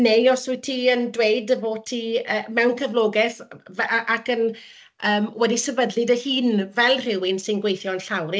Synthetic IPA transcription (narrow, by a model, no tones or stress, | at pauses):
neɔsʊtʰiːəndwejdəvoːtʰiəːmɛwnkʰəvlˠoːɡɛθvɛʔakən | əːmwɛdisɛvədlˠɨdəhiːnvɛlˠr̥ɪwɪnsɪnɡwejθjɔnɬawɾɪ